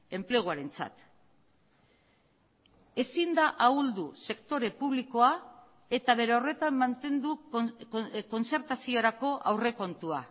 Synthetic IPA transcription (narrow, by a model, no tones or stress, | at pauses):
e̞mple̞ɣoaɾe̞nt͡sa̰t̪ | e̞sind̪aʔauld̪use̞kt̪o̞ɾe̞puβ̞liko̞a | e̞t̪aβ̞e̞ɾe̞o̞re̞t̪amːant̪e̞nd̪ukko̞nt͡se̞ɾt̪asio̞ɾako̞ʔawre̞ko̞nt̪ua